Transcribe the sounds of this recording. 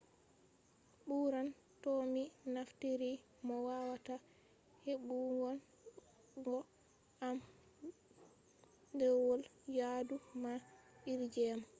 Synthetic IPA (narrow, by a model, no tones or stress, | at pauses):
ɓuɾan | tominaftiɾi | mɔwawata | heɓuɡɔn | ɡɔ | am | dɛwɔljadumaiɾd͡ʒɛm